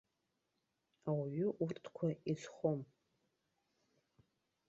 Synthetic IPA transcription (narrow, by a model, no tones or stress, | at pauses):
awiɥʏʔurtʰkʷʰaizχom